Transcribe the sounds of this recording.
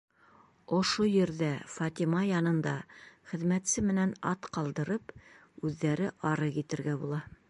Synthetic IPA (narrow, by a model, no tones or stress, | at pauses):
ŏʃojɘ̆ɾðæfɑt̪imɑjɑnɤ̆nd̪ɑχɘ̆ðmæt̪sɘmɘ̆nænɑt̪qɑlˠd̪ɤ̆ɾɤp | ʉðːæɾɘʔɑɾɤjit̪ɘ̆ɾɡæbulˠɑ